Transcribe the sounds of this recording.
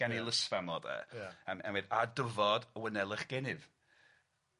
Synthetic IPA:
anilˠəsvanɔdɛ̰əmɛ̰nwɛdadəvɔdəwənɛlˠɪχɡ̥ɛnɪv

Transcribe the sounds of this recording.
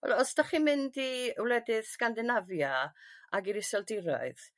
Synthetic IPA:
ɛ̰lɔsd̥ɔχimɪndiwlˠɛdɪðskandɪnavjaaɡiɾɪsɔlˠdɪɾɔ̰ɨð̥

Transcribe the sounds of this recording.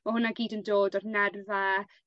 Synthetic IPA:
maɦʊnaɡiːdəndoːdɔrnɛrva

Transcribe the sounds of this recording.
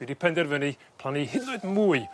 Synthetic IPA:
idipʰɛndɛrvəni | pʰl̥ˠanihɪdʊɨdmuːɨ

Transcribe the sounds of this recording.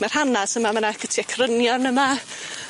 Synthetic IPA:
mar̥hanasəmamənaɡ̥ətʰiakʰrənjɔnəma

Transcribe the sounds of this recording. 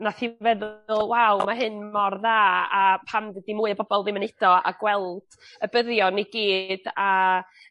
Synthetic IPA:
naθivɛðʊlˠwawmaɦɨnmɔrðaːapʰamðɛdimuːɨəbɔbɔlˠðɪmənɪd̥ɔa̰ɡ̥wɛlˠd̥əbəðjɔniɡiːd̥a

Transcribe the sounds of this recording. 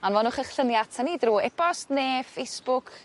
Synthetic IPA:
ɔnvɔnʊχəχɬənjatʰanidruːɛb̥ɔsneːfejsb̥ʊkʰ

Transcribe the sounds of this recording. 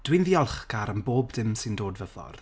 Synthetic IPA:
d̥winðiɔlˠχɡaɾənboːbdɪmsɪndoːdvəðɔ̰r

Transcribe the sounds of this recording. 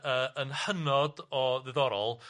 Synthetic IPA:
əːənhənɔdɔðɪðɔɾɔlˠ

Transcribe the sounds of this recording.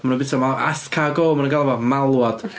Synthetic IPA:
manumbɪtɔmaʔaskʰaɡoːmanəŋɡalˠvamalˠwɔd̥

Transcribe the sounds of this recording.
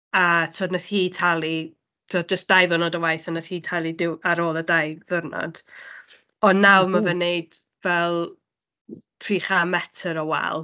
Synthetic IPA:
atʰoːdnəθhiːtʰalˠi | tʰoːd̚d͡ʒəsd̥ajðərnɔdəwajθənəθhiːtʰalˠidɪwaɾoːlˠədajðərnɔ̰d̥ | ɔnːawmavɛnejd̥ | vɛlˠ | tʰriːχamɛtʰəɾɔwɛ̰lˠ

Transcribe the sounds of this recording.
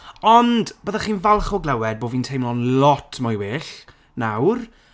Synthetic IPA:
ɔnd̥b̥əðaχiːnvalˠχɔɡlˠɛwɛd̚boːviːntʰejmlɔnlɔtʰmɔjweːɬ | nawr

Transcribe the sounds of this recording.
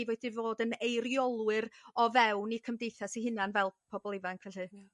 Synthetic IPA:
vɛdivoːdənejɾjɔlˠwɨɾɔvɛwnikʰəmdejθasiɦɪnjanvɛlˠpʰɔbɔlˠɪvankʰɛɬɨ

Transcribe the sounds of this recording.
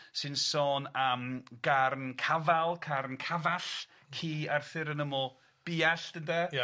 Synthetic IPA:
sɨnsoːnamɡarnkʰavalˠkʰarnkʰavaɬ | kʰiːarθɪɾənəmɔ | b̥iːaɬd̥ənda

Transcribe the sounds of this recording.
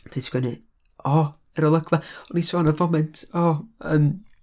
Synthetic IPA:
tʰɪtʰɡ̥wənɨ | ɔ | ɛɾəlˠəɡvaɔnisanəvɔmɛntʰɔːəːm

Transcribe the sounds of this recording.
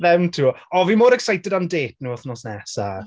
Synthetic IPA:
vɛwntʰuːɔviːmoːɾɛksajtɛdandeːt̚ʰnuːɔθnɔsnɛsa̰

